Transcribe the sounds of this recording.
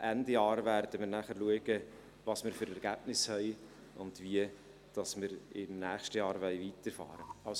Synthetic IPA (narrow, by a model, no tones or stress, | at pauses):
ʔændəjɑːɾvæɾd̥əmɪɾnæːχəɾluəɡ̥ə | vɑsmɪɾfʏɾɛɾɡ̥æːb̥nɪshɛɪ | ʊnd̥viə | d̥ɑsmɪɾɪmnæːχʃtəjɑːɾʋɛɪviːtəɾfɑ̰ːɾəɑls